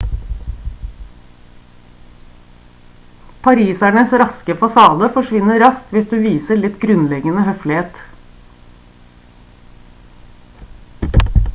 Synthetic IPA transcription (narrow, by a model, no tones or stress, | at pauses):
pʰɑɾiːsæɳəsɾɑskəfɑsɑːd̪əfɔʃʋɪnəɾɑst̪ʋɪsd̪ʉːʋiːsəɭɪt̪ɡɾʉnlɛɡənəhœflɪeːt̪